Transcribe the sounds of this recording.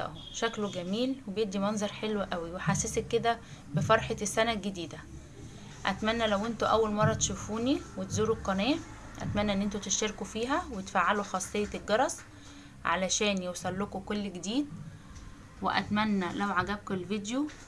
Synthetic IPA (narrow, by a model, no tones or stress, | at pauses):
ʔ | ʃækloɡæmiːlwebjeʔd̪imɑnzˤɑɾˤħelwʔæwiweħasːesekːed̪æ | befɑɾˤħesːænælɡed̪iːd̪æ | ʔæt̪mænːælæwʔent̪oʔæwːælmɑrˤːɑt̪ʃufuːniwet̪zuːɾoqːɑnæː | ʔæ̰t̪mænːæʔenːʔent̪ut̪eʃt̪eɾkufiːɦæwet̪faːʕːaloxɑːsˤːejːɑelɡɑɾˤɑsˤ | ʕa̰læʃæːnjewsˤɑlːokokolːɡed̪iːd̪̚ | wḛʔæ̰t̪mænːælæwʕaɡæb̚kelvid̪jo